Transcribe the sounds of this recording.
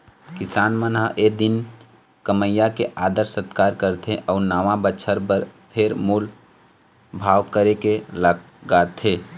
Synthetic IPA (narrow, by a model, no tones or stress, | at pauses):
kɪsaːnmənɦə̃ʔed̪ɪn | kəməjːakeʔaːd̪əɾsət̪kaːɾkəɾt̪ʰeʔɔːɾnaːʋãbəːʃʰəɾpəɾpʰeɾmuːl | bʱaːʋkəɾekelə | ɡaːt̪ʰe